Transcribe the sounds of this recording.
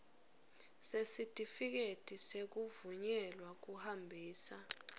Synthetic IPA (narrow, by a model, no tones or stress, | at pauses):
sesitʼifik̬etʼisek̬uvuɲɛlwak̬uhambʱiːsa